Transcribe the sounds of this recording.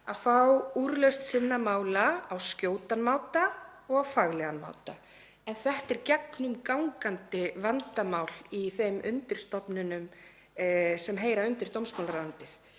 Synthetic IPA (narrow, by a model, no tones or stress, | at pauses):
aðfawuːɾlœɥst̪sɪnːamaːwlaːwscjoːwt̪anmaːwt̪aɔɣawfaɣlɛɣanma̰ːwt̪a | ɛnθɛht̪ɛɾcɛknʏmkawŋkant̪ɪvant̪amawliθejmʔʏ̰nt̪ɪɾ̥st̪ɔpnʏnʏm | sɛmɦeːjɾaʏnt̪ɪɾ̥t̪ʰowmsmawlaɾant̪ɪθ